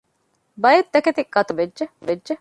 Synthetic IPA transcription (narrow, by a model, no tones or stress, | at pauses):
bɐjet̪ːɐket̪ikːɐt̪uʋedd͡ʒeʋedʒe